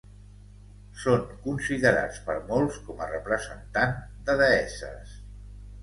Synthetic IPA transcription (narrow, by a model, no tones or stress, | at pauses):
soŋkunsiðəɾa̰t͡spəɾmolˠskɔmərəpɾəzənt̪and̪əðəɛsə̰s